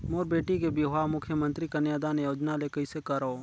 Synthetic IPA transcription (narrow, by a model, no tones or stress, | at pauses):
moːɾbeːʈikebiamʊkʰjəmə̃nt̪ɾikɐnjaːd̪aːnejoːd͡ʒnalekɐisekɐɾoː